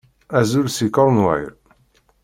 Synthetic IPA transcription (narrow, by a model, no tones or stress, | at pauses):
æzulsikəɾˤnwæ̰j̰ɾ